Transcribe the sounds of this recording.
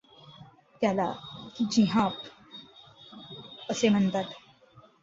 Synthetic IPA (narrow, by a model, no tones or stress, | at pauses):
t̪jalad͡ʑiɦãp | əsem̤ənt̪at̪